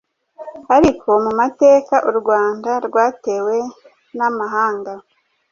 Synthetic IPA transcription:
haɾikʰo̞mumate̞ːkaʔuɾɡwaːndaɾɡwaːte̞ːwe̞ | namaɦaːŋɡa

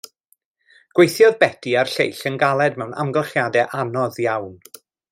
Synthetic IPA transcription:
ɡ̥wejθjɔðbɛdʰiarɬḛjɬənɡalˠɛdmɛwna̰mɡɛlˠχjadɛʔanɔðjawn

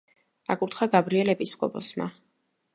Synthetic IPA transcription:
akʼuɾt̪ʰχaɡabɾiɛlɛpʼismɡʼɔ̰pɔ̰sma̰

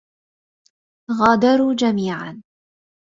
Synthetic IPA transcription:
ɣaːd̪ɑɾˤuːd͡ʒamiːʕa̰n

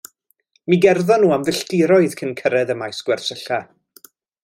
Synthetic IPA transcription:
miɡɛrðɔnːuːamðəɬdɪɾɔɨðkʰənkʰəɾɛðəmajsɡ̥wɛrsəɬa

